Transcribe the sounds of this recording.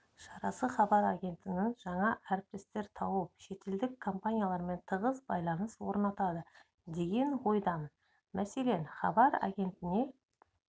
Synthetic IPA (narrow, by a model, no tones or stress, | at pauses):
ʃɑɾɑsəχɑbɑɾaɡʲe̞nt̪ɪnɪŋʒɑɴɑʔæɾp̚t̪ɪst̪e̞ɾt̪ʰɑwəp̚ʃe̞t̪e̞ld̪ɪkʰːo̞mpanʲijalˠɑɾme̞nt̪ʰəʁəzbɑjlˠɑnəswo̞ɾnɑt̪ɑd̪ə | d̪e̞ɡʲe̞nwo̞jd̪ɑn | mæse̞le̞nχɑ̰bɑɾa̰ɡʲe̞nt̪ɪne̞